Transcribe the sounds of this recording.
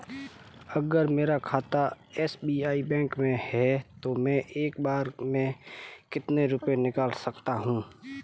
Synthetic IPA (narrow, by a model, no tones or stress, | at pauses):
ɐɡəɾmeːɾakʰaːt̪a | ɛːsbiːaːibɛ̃ːŋkmẽhɛt̪omɛ̃ʔeːkbaːɾmẽkɪt̪neɾʊpenɪkaːlsɐkt̪aɦũː